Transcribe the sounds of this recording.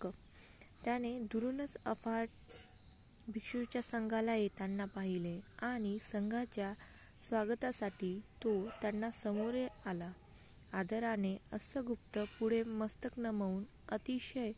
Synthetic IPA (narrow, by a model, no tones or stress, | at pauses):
t̪jañed̪uɾunət͡səfaʈ | bʱikʂut͡ɕjasəŋɡʱalajet̪anːapaɦileaɽ̃isəŋɡʱat͡ɕjasʋaɡət̪asaʈiːt̪ot̪janːasəmoɾealaː | d̪əɾaneəsəɡup̚t̪əpuɽ̤eməst̪əknəməuːn | ət̪iɕəj